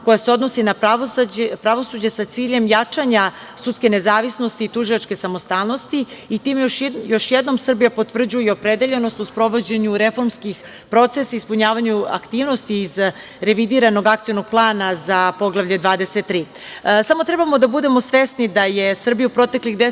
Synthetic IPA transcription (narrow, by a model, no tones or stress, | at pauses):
ko̞jaseo̞d̪no̞sinaaospɾaʋo̞sud͡ʑesat̪siːʎe̞mjat͡ʂaɲa | sut̪ske̞ne̞zaːʋisno̞st̪iːt̪uʒilat͡ʃke̞samo̞st̪aːlˠno̞st̪iit̪iːmjo̞ʃjed̪no̞msr̩bijapot̪vr̩d͡ʑujɛo̞pɾed̪e̞ʎe̞nost̪uspɾo̞ʋo̞d͡ʑe̞ɲuɾefo̞ɾmskix | pɾo̞t̪sesaispuɲaːʋaɲua̰kt̪iːʋno̞st̪iːz | ɾe̞ʋid̪iːɾano̞ɡakt̪ijono̞ɡ̚plˠaːnazapo̞ɡlˠaʋvʎe̞d̪ʋaːd̪eset̪ːɾiː | samot̪ɾe̞bamo̞d̪abud̪e̞mo̞sʋesnid̪ajesr̩bijupɾo̞t̪e̞klixd̪e